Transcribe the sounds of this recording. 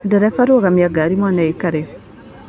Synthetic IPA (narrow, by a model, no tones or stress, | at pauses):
daɾafaɾoɣamjaɡaɾimwaːnajikaɾe